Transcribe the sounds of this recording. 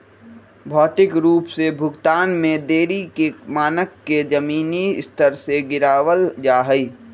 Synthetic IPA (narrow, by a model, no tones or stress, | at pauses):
bʱɔːʈ̪ɪkɾuːpsebʱʊɡt̪aːnmẽd̪eːɾikemaːnəkːed͡ʒəmiːnist̪ʰəɾseɡɪɾaːwəld͡ʒaːɦəi